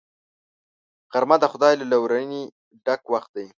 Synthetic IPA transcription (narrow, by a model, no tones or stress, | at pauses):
qaɾmad̪əxʊd̪ɑjlalawɾani | ɖakwaxt̪̚d̪aj